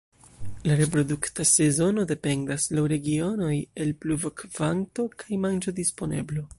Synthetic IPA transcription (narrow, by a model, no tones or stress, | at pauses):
laɾe̞p̬ɾo̞duktase̞zo̞no̞de̞pe̞ndaslawɾe̞ɡio̞no̞je̞lpluvokv̥anto̞kʰajmand͡ʒo̞dispo̞ne̞̰blo̞